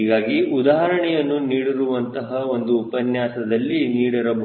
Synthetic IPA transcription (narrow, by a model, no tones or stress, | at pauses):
iːɡaːɡiʔud̪aːɦɐɾɐɳɛjɐnːuniːɽiɾuʋɐnt̪ɐɦɐo̞nd̪uːpɐnjaːsɐd̪ɐlːiniːɽɐɾɐbʱ